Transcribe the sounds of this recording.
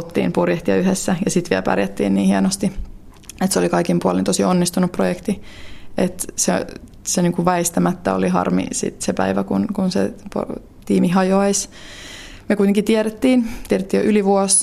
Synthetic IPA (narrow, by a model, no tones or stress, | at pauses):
t̪ːḭːnpurjeht̪iɑ̰yɦesːæjɑsit̪ʋiɛ̰lpæ̰rjæt̪ːḭːnniːhiɛnost̪i | et̪seolikɑikimpuolḭnt̪osionːist̪unupːrojekt̪iʔet̪se | seniːŋkuʋʋæist̪æmæt̪ːæo̰liɦɑ̰rmḭsḭt̪sepæ̰iʋækunkunsḛpo̰ | t̪iːmiɦɑjoɑis | mekuit̪eŋkit̪iɛɾet̪ːiːnt̪iæɾet̪ːiːjo̰ʔyliʋuos